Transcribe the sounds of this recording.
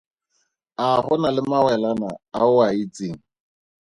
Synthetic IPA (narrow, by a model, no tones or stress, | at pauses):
aɦʊnalɪmawɛlanaaʊait͡siŋ̩